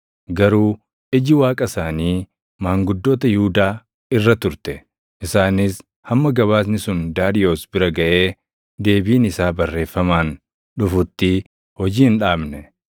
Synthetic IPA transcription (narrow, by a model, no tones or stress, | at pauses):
ɡɐɾuː | ʔɪd͡ʒɪwaːkʼɐsaːniː | maːŋɡʊd̪ːo̞ːt̪ɐjuːd̪aː | ɪrːɐt̪ʊɾt̪ɛ | ʔɪsaːnɪs | hɐmːɐɡɐβaːs̬nɪsʊnd̪aːd̪ɪjo̞ːsbɪɾɐɡɐʔe̞ː | d̪e̞ːbiːnɪsaːbɐrːe̞ːfːɐmaːn | ᶑʊfʊt̪ːɪ | hɔd͡ʒiːɪnᶑaːbnɛ